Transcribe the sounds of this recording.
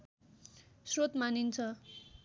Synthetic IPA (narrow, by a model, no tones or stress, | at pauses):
srot̪manint͡sʰʌ